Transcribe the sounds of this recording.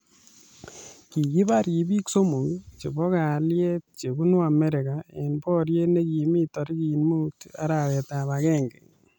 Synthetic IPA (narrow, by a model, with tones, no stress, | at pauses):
ki˨ki˦ba˦ɾki˨bi˦kso˦mo˨ŋt͡ʃe˨bɔ˦ka˨lje˦t̚t͡ʃe˨bu˦nu˦a˨mɛ˦ɾɪ˨ka˨e˨npɔ˦ɾje˦ne˦ki˨˦mi˦tɔ˨ɾki˨nmu˦ta̰˦ɾa˨wɛ˨ta˨βakɛ˦ŋɡḛ˨ŋ